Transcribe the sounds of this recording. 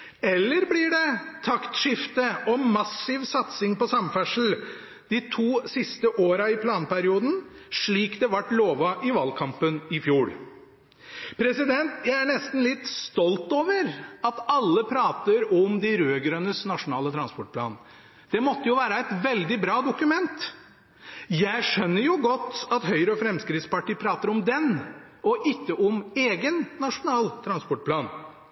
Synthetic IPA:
ɛlːəɾblɪɖɛt̪ʰɑkt̪ʂɪft̪əɔmɑsɪʋsɑt̪sɪŋpɔsɑmfæʂəl̩ | d̪̥ɪt̪ʰuːsɪst̪əʔoːɾɑɪpʰlɑːnpæɾɪuːd̪n̩ʂɭiːkd̪ɛʋɑʈːloːʋɑʔɪʋɑːlkʰɑmpənɪfjuːɭ | pʰɾɛsɪd̪ɛnt̪jæɪæɳɛst̪n̩lɪt̪ːst̪ɔlt̪oːʋəɾɑt̪ɑlːəpʰɾɑːt̪əɾɔmd̪æɾøːɡɾœnəsnɑʂʊnɑːlət̪ʰɾɑnspɔʈ̚pʰlɑ̰ːn | d̪̥ɛmɔt̪ːəjʊʋæːɾəɛt̪ʋɛld̪ɪbɾɑːd̪ʊkʉmɛnt̪ | jæɪʂœnːəɾjʊɡɔt̪ːɑt̪hœʏɾəɔfɾɛmskɾɪt̪spɑʈʰiːəpʰɾɑːt̪əɾɔmd̪ɛn | ɔʔɪkːəʔɔmeːɡənːɑʂʊnɑːlt̪ʰɾɑnspɔʈ̚pʰlɑːn

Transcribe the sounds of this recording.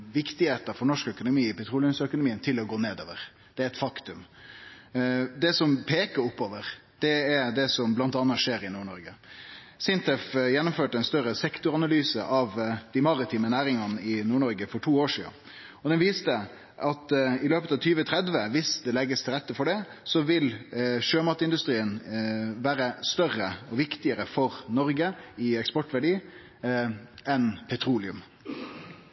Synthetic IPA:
ʋɪkt̪ɪheːt̪əfɔɳɔʂkœkʊnʊmiːɪpʰɛt̪ʰɾuːlɪənsœkʊnʊmiːənt̪ʰɪlɔɡoːneːd̪o̰ːʋəɾ | d̪̥ɛæɾɛt̪fɑkt̪ʉm | d̪ɛsɔmpʰeːkəɾʊpːoːʋəɾd̪̥ɛæd̪ɛsɔmblɑnt̪ɑnːɑʂeːɾɪnuːɳɔɾɡə | sɪnt̪ɛfjɛnːʊmføːʈəɛnst̪œɾəsɛkt̪ʊɾɑnɑlyːsə̰ʔɑʋd̪̥ɪmɑɾɪt̪ʰiːmənæːɾɪŋɑnəɪnuːɳɔɾɡəfɔʈʰuːoːʂḭːn | ɔd̪ɛnʋiːst̪ə | ʔɑt̪ɪløːpət̪ɑʋt̪ʰyːʋət̪ʰɾɛd̪ʋəʋɪsd̪ɛlɛɡːəst̪ʰɪlʁɛt̪ːəfɔɖɛsɔʋɪlʃøːmɑt̪əɪnd̪ʉst̪ʁiːənʋæːɾəst̪œʁəɔʋɪkt̪ɪəɾəfɔʁnɔɾɡəɪɛkspɔʈʋæɖiː | ɛnpʰɛt̪ʰɾuːlɪʉm

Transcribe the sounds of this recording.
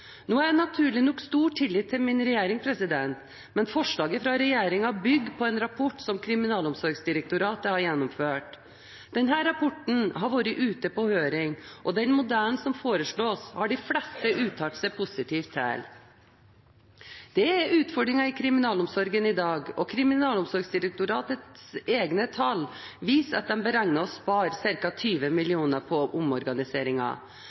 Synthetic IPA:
noːænɑt̪ʰʉːɭɪnɔkst̪uːʈʰːɪlːiːt̪ʰːɪlmɪnɾɛjeːɾɪŋspʰɾɛsɪd̪ɛnt̪ | mɛnfɔʂɭɑːɡəfɾɑɾɛjeːɾɪŋɑbʏɡːpʰɔɛːnɾɑpʰɔʈːsɔmkʰɾɪmɪnɑːlɔmsɔɾɡsd̪ɪɾɛk̚t̪ʊɾɑːt̪əhɑɾjɛnːɔmføːʈ | d̪̥ɛnɦæːɾːɑpʰɔʈɳ̩ɦɑɾʋoːɾəʔʉːt̪əpɔhøːɾɪŋʔɔd̪ɛnmʊd̪æːɳnsɔmfoːɾəʂɭoːshɑɖɪflɛst̪əʔʉːt̪ʰːɑʈsɛpʰʊsɪt̪ʰiːft̪ʰæ̰ːl | d̪̥ɛɛɾʉːt̪fɔɖɾɪŋɑɪkʰɾɪmɪnɑːlʊmsɔɾɡənɪd̪ɑːɡɔkʰɾɪmɪnɑːlʊmsɔɾɡsd̪ɪɾɛk̚t̪ʊɾɑːt̪ət̪seːɡnət̪ʰɑlʋiːsɑ̰t̪̚d̪ɛmbəɾɑŋnɑɔspɑːɾsɪɾkɑt̪ʰyːʋəmɪlɪuːnəpʰɔʔʊmɔɾɡɑnɪseːɾɪŋɑ̰

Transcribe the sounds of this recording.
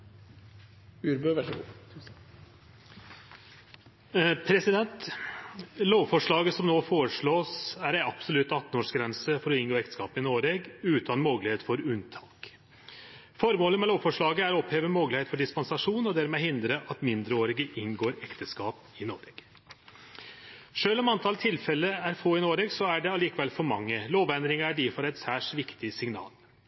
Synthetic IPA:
ʉɾbøʋæ̰ | pʰɾɛsɪd̪ɛnt̪ | loːʋfɔʂɭɑːɡəsɔmnoːfoːɾəʂɭoːsæɾæɪɑbsɔlʉt̪ːɑt̪ːn̩oːʂɡɾɛnsəfɔɾɔɪnɡoːɛkt̪ə̥skɑːpɪnoːɾɛɡʉːt̪ʰɑnmoːɡəlɪheːt̪fɔɾʉnt̪ʰɑːk | fɔɾmoːləmɛloːʋfɔʂɭɑːɡəæɾɔpheːʋəmoːɡəlheːt̪fɔɖɪspɑnsɑʂuːnɔd̪æɾmɛhɪnd̪ɾəʔɑt̪mɪnd̪ɾəoːɾɪɡəʔɪnɡoːɾɛkt̪əskɑːp | ɪno̰ːɾɛɡ̥ | ʂøːlɔmɑnt̪ʰɑlt̪ʰɪlfɛlːəæɾfoːɪnoːɾeːɡsɔæɖɛɑliːkəʋɛlfɔɾmɑŋːəloːʋɛnd̪ɾɪŋəæɖiːfɔɾæɪt̪sæːʂʋɪkt̪ɪsɪŋnɑ̰ːl

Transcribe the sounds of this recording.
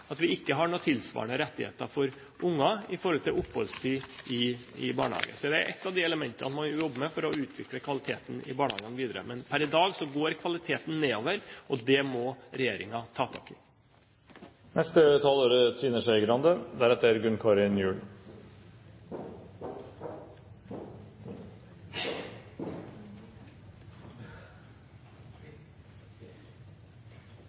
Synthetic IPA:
ɑt̪ʋɪɪkːəɦɑɳuːt̪ʰɪlsʋɑ̰ːɳəɾɛt̪ːɪhḛːt̪ɑfɔɾ | ʔʊŋːɑɪfɔɾhɔlt̪ʰɪlʊpːhɔ̰lst̪ʰyːʔɪɪ̰bɑ̰ːɳəhɑ̰ːɡə̰sɔd̪ɛæ̰ɾʔɛ̰t̪ːɑʋd̪ɪɛləmɛnt̪ənɑsmɔjʊjɔbːəmɛfɔɾɔʉːt̪ʰʋɪkləkʰʋɑlɪt̪ʰeːt̪n̩ɪ̰bɑːɳəhɑ̰ːɡənʋiːd̪əɾə̰mɛnpʰæɾɪd̪ɑːɡsɔɡoːɾkʰʋɑlɪt̪ʰeːt̪n̩neːoːʋəɾɔd̪ɛmɔɾɛjeːɾɪŋɑt̪ʰɑːt̪ʰɑ̰ːkɪ | nʔɛst̪ət̪ʰɑloːɾət̪ʰiːnəʂæɪɡɾɑnd̪əd̪ɛæɾɛt̪ːəɾɡʉnkʰɑːɾɪnjʉːl

